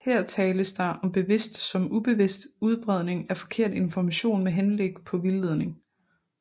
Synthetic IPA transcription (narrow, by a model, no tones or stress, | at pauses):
hɛɐ̰t͡sʰɛːləsd̥ɑ̈ɪʔɒ̽mb̥e̝ʋe̝sd̥sɒ̽mub̥e̝ʋe̝sd̥uð̞ˠb̥ʁɛð̞̰ˠne̝ŋæfɒ̥̽kʰe̝ɐ̰d̥e̝nfɒmæɕo̝̰ːnmeɦenleɡ̥pʰɒ̽ʋileð̞ˠne̝ŋ